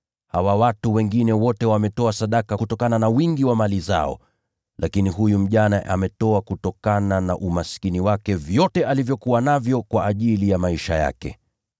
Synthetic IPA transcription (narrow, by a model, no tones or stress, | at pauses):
hawawatuwɛŋɡinɛwɔtɛwamɛtɔasaɗakakutɔkananawiŋɡiwamaliza̰ɔ̰ | lʔakiniɦujum̩ʄanaʔamɛtɔakutɔkanana̰ʔumaskiniwakɛvjɔtɛalivjɔkuwanavjɔkwaːʄilijamaiʃaja̰kɛ̰